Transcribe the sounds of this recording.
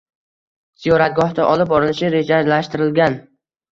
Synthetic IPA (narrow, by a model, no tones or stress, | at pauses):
z̥ijɒɾat̪̚ɡɒht̪aʔɒlˠɪp̚bɒɾɪlɪʃɪɾe̞d͡ʒalaʃt̪ɪɾɪlɡʲan